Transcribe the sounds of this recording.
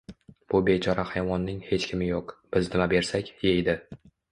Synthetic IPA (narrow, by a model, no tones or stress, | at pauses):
b̥ʊbet͡ʃʰɒɾahajvɒnːɪŋhe̞t͡ʃkʲʰɪmɪjoqb̥ɪzd̪ɪmabe̞ɾsakʲjejd̪ɪ